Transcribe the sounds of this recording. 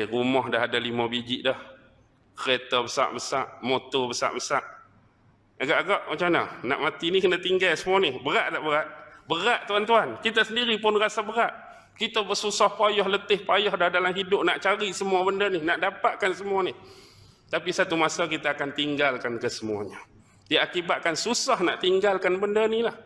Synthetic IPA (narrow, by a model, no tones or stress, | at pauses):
rumɔhdaɦadalimabid͡ʒɪʔdɔh | kəɾet̪abəsa̰ʔbəsaʔmot̪ɔbəsa̰ʔbəsaʔ | aɡaʔaɡaʔmat͡ʃamna̰na̰ʔmat̪inikənat̪iŋɡalsəmuanɪhbəɾaʔdaʔbəɾaʔbəɾaʔt̪uant̪uankit̪asəndiɾipʊnrasabəɾaʔ | kit̪abəsusɔhpajɔhlət̪ɪhpajɔhdahdalamɦidʊp̚naʔt͡ʃaɾisəmuabəndəninaʔdapaʔ̪̚kansəmuanih | t̪apisat̪umasakit̪aːkant̪iŋɡalkankəsəmua̰ɲa | diakibat̪ʔ̪̚kansusahna̰ʔt̪iŋɡalkanbəndənilah